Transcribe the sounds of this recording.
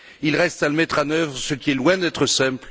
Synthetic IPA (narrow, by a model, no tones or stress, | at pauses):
ilʁɛst̪aləmɛt̪χɑ̃nœvʁəsəkʲiɛlwɛ̃d̪ɛt̪χəsɛ̃pl